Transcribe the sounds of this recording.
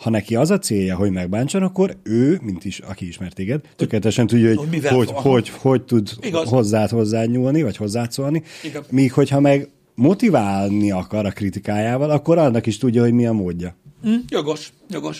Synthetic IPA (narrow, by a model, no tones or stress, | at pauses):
hɒnɛkiɒzɒt̪seːjːɒɦo̞ɟmɛɡ̚baːɲt͡ʃonɒkːo̞ɾøːmint̪iʃɒ̰kiiʃmɛrt̪eːɡɛd̪t̪økelɛt̪ɛʃɛnt̪uɟːɒɦhoɟhoɟhoɟho̞ɟt̪ud̪ɦo̞zːaːt̪ho̞zːaːɲuːlnivɒcho̞zːaːt̪soːlnimiːkho̞chɒmɛɡ | mo̞t̪ivaːlniɒkɒɾɒkrit̪ikaːjaːvɒlɒkːo̞ɾɒnːɒkiʃt̪uɟːɒɦo̞ɟmiɒmoːɟːɒjoɡʃ | joɡʃ